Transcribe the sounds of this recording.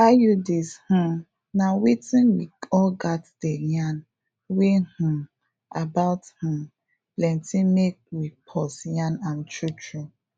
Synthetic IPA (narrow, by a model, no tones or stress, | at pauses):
ajudishũ | nawetĩnwiɔɡatdejãn | wehũ | abaʊthũ | plɛ̃ntĩmek̚wipʰɔsjãnant͡ʃut͡ʃɹu